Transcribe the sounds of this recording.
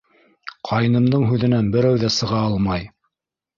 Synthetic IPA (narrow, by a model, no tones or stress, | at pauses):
qʰɑjnɤ̆md̪ɤɴɦʉðɘ̆nænbɘ̆ɾæwðæsɤ̆ʁɑɑlˠmɑj